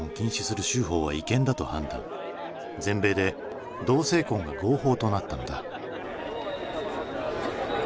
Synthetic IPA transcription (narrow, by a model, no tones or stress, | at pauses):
õŋkʲĩɰ̃ɕi̥sɨɾɯ̟ɕɨːɦo̞ːβ̞aikẽ̞nd̪at̪o̞hã̰nd̪ã̰ŋ | d͡zẽ̞mbe̞ːd̪e̞ | d̪o̞ːse̞ːkõ̞ŋɡa̰ɡo̞ːho̞ːt̪o̞nat̪ːand̪a